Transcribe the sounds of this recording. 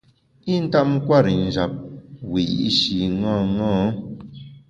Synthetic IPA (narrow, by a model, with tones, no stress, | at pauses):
i˦n̩˦ta˦ʔm̩˦kwa˦˨ɾi˨n̩˨d͡ʒa˨p̚wi˨ḭ˨˦ʃi˨ŋã˦˨ŋɔ̃ː˦